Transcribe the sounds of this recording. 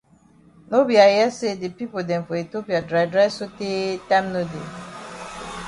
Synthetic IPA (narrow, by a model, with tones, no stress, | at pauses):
no˦bi˨a˨jɛ˦se˦de˨pi˦po˨dɛ̃˨mfɔ˨e˨to˦pi˨a˨dɾa˨jdɾa˦so˦te˦tã˦mno˦de˨